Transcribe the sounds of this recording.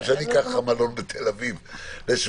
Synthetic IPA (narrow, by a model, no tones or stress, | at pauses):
ʃanikaχamalonbet̪ʰelavivles